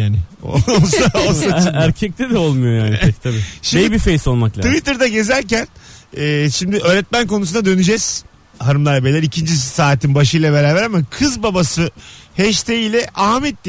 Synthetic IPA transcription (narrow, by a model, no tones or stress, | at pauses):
jaːnɪo̰olˠsaolˠsaæɾcʰɛc̚t̪ʰɛd̪ɛolˠmujojaːnit̪ʰabiʃiejibifejso̞lˠmaklˠat̪ʰvit̪ɯɾd̪aɟe̞zæɾcænɛːʃimd̪ɪʔø̞ːɾɛt̪̚mænko̞nusunad̪ø̞nyd͡ʒɛz̥ | haɾɯmlˠaɾabelʲɛɾicʰind͡ʒisaːt̪ʰinbaʃɯjlˠabe̞ɾaːbɾamakʰɯzbabasɯhɛʃt̪ʰejilʲɛʔaɦmɛt̪̚lʲi